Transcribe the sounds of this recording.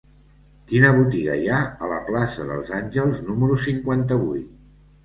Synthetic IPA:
kinəβ̞ut̪iɣə̰jaələ̰plasəðə̰lˠzanʲʒəlˠznuməɾusiŋkwant̪əβujt̪̚

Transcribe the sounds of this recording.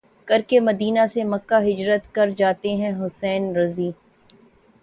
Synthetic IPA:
kɐɾkemɐd̪iːnasemɐkːaɦɪd͡ʒɾət̪kɐɾd͡ʒaːt̪eɦɛ̃ɦʊsɛːnɾɐziː

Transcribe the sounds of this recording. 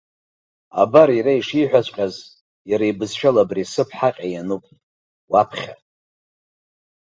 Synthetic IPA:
a̰baɾiɾaiʂiħʷᶣat͡ɕʷʼqʲʼaz | jaɾajbɨzʃᶣalabrisɨpʰħaqʲʼajanupʼ | wapʰχʲa

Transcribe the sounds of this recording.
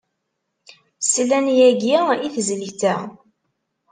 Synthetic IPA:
slːænjæɡiiθəzliθæ

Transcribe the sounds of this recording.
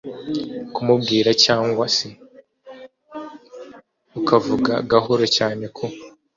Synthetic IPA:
kumub̚ɡiːɾacaːŋɡwase | ukʰavuɡa̰ɡaɦo̞ɾocaːne̞kʰo̞

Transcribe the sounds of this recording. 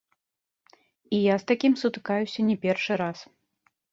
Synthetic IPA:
ijast̪akʲimsut̪ɨ̥kajusʲɐnʲɛpʲɛrʂɨɾas

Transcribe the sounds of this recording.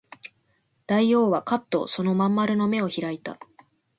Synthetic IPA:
d̪̥aio̞ːβakat̪ːo̞̰so̞no̞mãmːaɾɯ̟no̞me̞o̞çiɾait̪a̰

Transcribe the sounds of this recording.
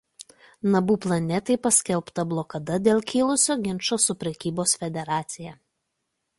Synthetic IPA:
nɐbuːplˠɐnʲɛt̪ɐɪpɐsʲkʲɛlˠpt̪ɐblˠɔːkɐd̪ɐd̪ʲeːlˠkʲiːlˠʊsʲoːɡʲɪnʃoːsʊpʲɾʲɛkʲiːboːsfʲɛd̪ʲɛɾɑːt̪sʲɪjɛ

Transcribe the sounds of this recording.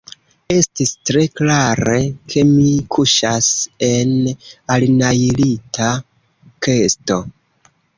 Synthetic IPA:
e̞stistɾe̞klaɾe̞kʰe̞mikʰuʃase̞nalnajlitʰa | ke̞sto̞

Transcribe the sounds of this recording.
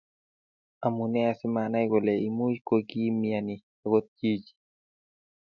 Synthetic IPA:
amunɛasimanajɡɔlɛimujkoɡiːmiani | ɛɡot̪̚t͡ʃid͡ʒi̥

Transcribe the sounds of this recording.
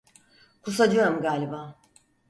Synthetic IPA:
kʰusad͡ʒɯjo̞ɾumɡaːlʲibaː

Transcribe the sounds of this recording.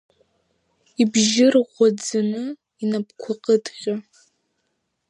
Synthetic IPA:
ibʒɪrʁʷɔd͡zɨnɨ | inɐpkʷʰʊqʼədʼχʲʼa

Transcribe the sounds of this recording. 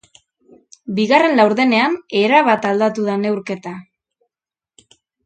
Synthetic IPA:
biɣare̞nlawɾðe̞ne̞ane̞ɾaβat̪ald̪at̪uðane̞wɾke̞t̪a

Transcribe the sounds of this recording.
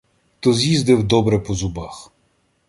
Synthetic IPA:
t̪ɔzʲjizd̪ɪwd̪ɔbɾɛpɔzʊbɑx

